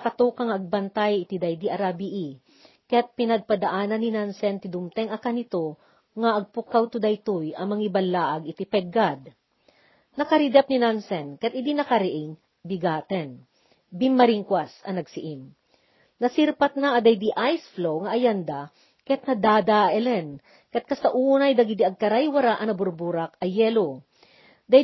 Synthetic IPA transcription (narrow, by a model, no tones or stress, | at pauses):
ɐkɐt̪uːkaŋɐʔɐɡ̚bɐnt̪ajɪt̪id̪ɐjd̪iʔɐɾabiʔi | kɐjat̪̚pɪnɐɡ̚pɐd̪ɐʔaːnɐnːinansɛnt̪ɪd̪ʊmt̪ɛŋɐkanɪt̪o | ŋɐʔɐɡ̚pʊkːawt̪ʊd̪ajt̪ujʔɐmɐŋibɐlːaːʔɐɡɪt̪ipɛɡad̪̚ | nɐkɐɾɪd̪ɛp̚ninansɛnkɐjat̪̚ɪd̪inɐkɐɾɪʔɪŋ | d̪iɡaːt̪ɛn | bimːɐɾiŋkwasɐnɐɡsɪʔɪm | nɐsiɾpɐt̪̚naʔːd̪ɐjd̪iʔajsflowŋɐʔɐjand̪a | kɐt̪̚nɐd̪aːd̪aʔʔɛlɛn | kɛt̪̚kɐst̪aʔuːnɐjd̪ɐɡid̪iɐɡ̚kɐɾajwɐɾaʔɐnɐbʊɾbuɾakɐjɛlo | d̪a